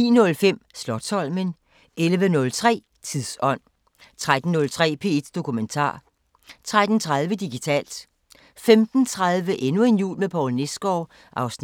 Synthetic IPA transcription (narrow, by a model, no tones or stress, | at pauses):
ḭːnɔ̽lfem̰slɒ̽d̥sɒ̽l̰mən | elʋənɔ̽lt͡sʰʁɛ̰ː | t͡sʰiðˠsɒ̽n̰ | t͡sʰʁad̥n̩ːɔ̽lt͡sʰʁɛ̰ːpʰe̝̰ːed̥d̥o̝kʰument͡sʰɑ̰̈ː | t͡sʰʁad̥n̩t͡sʰʁað̞ˠʋəd̥iɡ̥it͡sʰɛ̰ːld̥ | femd̥n̩t͡sʰʁaðˠʋəʔenue̝njṵːlmepʰɒʊlne̝sɡ̥ɒː | ʔɑ̈ʊsn